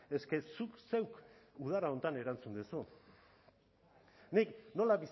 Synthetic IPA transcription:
e̞ske̞sukse̞wkuð̞aɾao̞nt̪ane̞ɾant͡sund̪esu | nikno̞laβis

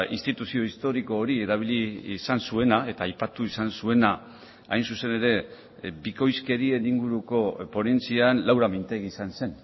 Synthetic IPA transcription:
ḭnst̪it̪usio̞ist̪o̞ɾiko̞ːɾieɾaβ̞ilisansue̞nae̞t̪aːjpat̪uisansue̞na | ajnsuse̞ne̞ɾe̞ | biko̞jske̞ɾie̞niŋɡuɾuko̞po̞ne̞nt͡sianlawɾamint̪e̞ɣisanse̞n

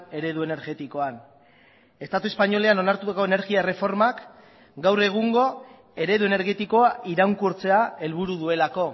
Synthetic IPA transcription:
e̞ɾe̞ðue̞ne̞ɾɣe̞t̪iko̞an | e̞st̪at̪ue̞spaɲo̞le̞ano̞naɾt̪ut̪ako̞ene̞ɾɣiare̞fo̞ɾmak | ɡawre̞ɣ̞uŋɡo̞ | e̞ɾe̞ðue̞ne̞ɾɣe̞t̪iko̞aʔiɾaŋkuɾt͡se̞ae̞lβuɾuðue̞lako̞

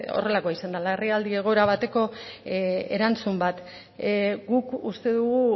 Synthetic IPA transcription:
o̞̰re̞lako̞aisand̪alaeriald̪ie̞ɣ̞o̞eɾaβ̞at̪e̞ko̞ | e̞ɾant͡sumbat̪ | ɡukust̪e̞ðuɣu

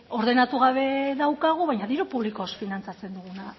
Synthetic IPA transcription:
o̞ɾðe̞nat̪uɣaβe̞ðawkaɣ̞uβajɲaðiɾopuβlikosfinant͡sat͡se̞nd̪uɣuna

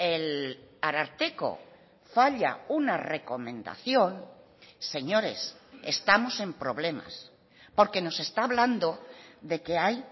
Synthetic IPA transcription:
e̞laɾaɾt̪eko̞̰ | faʎa̰unare̞ko̞mẽ̞nd̪a̰θjo̞n | se̞ɲo̞ɾe̞̰sest̪amo̞sẽ̞mpɾo̞βle̞ma̰s | po̞ɾke̞no̞se̞st̪aːβland̪od̪e̞ke̞aj

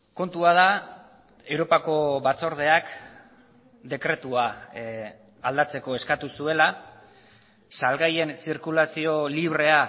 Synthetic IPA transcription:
ko̞nt̪uað̞a | e̞wɾo̞pako̞βat͡so̞ɾð̞e̞ak | d̪e̞kɾe̞t̪ua | ald̪at͡se̞ko̞e̞skat̪usue̞la | salɣaje̞nsiɾkulasio̞liβ̞ɾe̞a

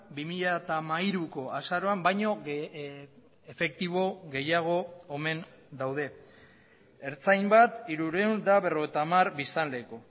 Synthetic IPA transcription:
bimiʎat̪amajɾuko̞asaɾo̞ambajɲo̞ | efe̞k̚t̪iβ̞o̞ɣe̞jaɣ̞o̞ːme̞n | d̪awð̞e̞ | eɾt͡sajmbat̪iɾuɾe̞und̪aβe̞ro̞ɣ̞ejt̪amaɾbist̪anle̞ːko̞

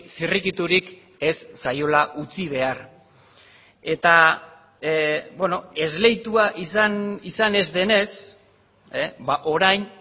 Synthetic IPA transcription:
sirikit̪uɾik | e̞sːajo̞laʔut͡siβ̞e̞ar | e̞t̪a | bwe̞no̞e̞zle̞jt̪uaʔisanisane̞zðe̞ne̞s | baʔo̞ɾajn

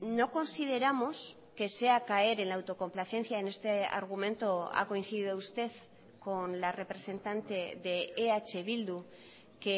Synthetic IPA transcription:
no̞ko̞nsið̞e̞ɾamo̞s | ke̞se̞akae̞ɾe̞nlaːwt̪o̞ko̞mplaθe̞n̟θjaene̞st̪ea̰ɾɣ̞umẽ̞nt̪o̞a̰ko̞in̟θiðiðoust̪e̞ð | ko̞nlare̞pɾe̞se̞nt̪ant̪e̞ðeːat͡ʃe̞βild̪u | ke

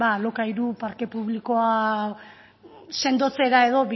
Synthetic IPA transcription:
balo̞kaiɾupaɾke̞puβliko̞a | se̞nd̪o̞t͡se̞ɾae̞ðo̞βi

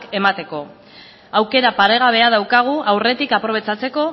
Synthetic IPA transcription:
ke̞mat̪e̞ko̞ | awke̞ɾapaɾe̞ɣ̞aβ̞e̞að̞awkaɣ̞uʔawre̞t̪ikapɾo̞β̞e̞t͡sat͡se̞ko̞

